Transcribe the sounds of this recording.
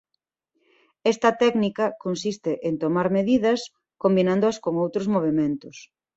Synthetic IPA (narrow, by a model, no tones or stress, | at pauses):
ɛst̪ɐt̪ɛknikɐkonsist̪ɪʔent̪omaɾmeðiðɐs | kombinãnd̪oɐskoŋowt̪ɾozmoβ̞emẽnt̪ʊs